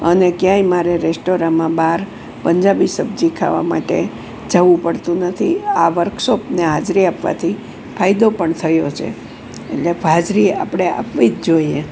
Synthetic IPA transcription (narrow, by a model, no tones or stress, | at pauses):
ənekjãimaɾeɾesʈoɾãmãbaɾ | pəɲd͡ʒabisəbd͡ʒikʰa̰ʋa̰ma̰ʈḛ | d͡ʒəʋũpəɽt̪ũnət̪ʰiaʋəɾkʰsopneɦad͡ʒɾiapʋa̰t̪ʰi | kʰajid̪opəɳt̪ʰəjot͡ʃʰḛ | ḛʈlebʱad͡ʒɾia̰pɽ̃ea̰pʋid͡ʒd͡ʒoie